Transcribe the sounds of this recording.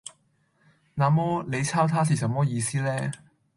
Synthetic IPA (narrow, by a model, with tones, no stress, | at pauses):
naː˨mɔː˥le˨˧jt͡sʰaː˥wt̪ʰaː˥siː˨˩sɐ˨˥mːɔː˥jiː˧siː˥lɛː˥